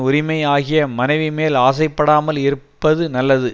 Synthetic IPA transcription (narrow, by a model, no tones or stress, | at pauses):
ʊɾɪmɐɪaːɣɪjɐmɐnɐɪʋimeːlaːs̬ɐɪpːɐɽaːmɐlɪɾɯpːɐðɯnɐlːɐðɯ